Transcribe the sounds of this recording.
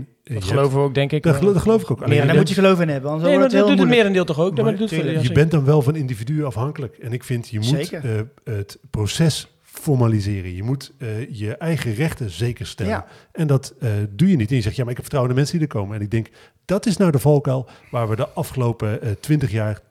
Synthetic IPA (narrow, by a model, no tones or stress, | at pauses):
əlovəoɡdɛŋkɪkddtχəlowvɪkowkadmujəəlowfɪnɦɛbəɔnolˠdutəmɪːdɛndɪːlˠtɔχowkadutjəbɛnt̚dɑnʋɛlˠvɑnɪndividyɑfɦɑŋkələkɛnɪkfɪntjəmut | ətprowsɛs | fɔɹmalizɪːrənjəmutjəʔɛjχərɛχtəzejkəɹstɛə̰n | ɛndɑtdujənitɛnjəzɛχtjamaɹɪkɦɛpfə̥trawəndəmɛnsədidəɹkowmənɛnɪɡ̚dɛŋk | d̥ɑtɪsnaːdəvɔlˠkɛlˠʋaːɹʋədəʔɑfχəlowpətʋɪntəχjaːɹ